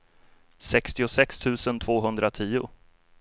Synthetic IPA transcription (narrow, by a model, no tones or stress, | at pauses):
sɛkst̪ɪʊsɛkst̪ʰʉ̟ːsənt̪ʰv̥oːɦɵnd̪ɾat̪ʰiːʊ